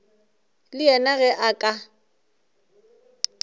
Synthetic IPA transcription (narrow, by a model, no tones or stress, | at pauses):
lɪɛnaɣɛʔakʼa